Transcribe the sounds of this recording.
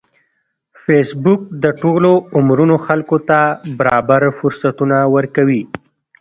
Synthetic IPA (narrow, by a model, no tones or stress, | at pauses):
fesbʊk̚d̪əʈoloʊmɾunoxalkot̪abaɾɑbaɾfʊɾsat̪unawəɾkawi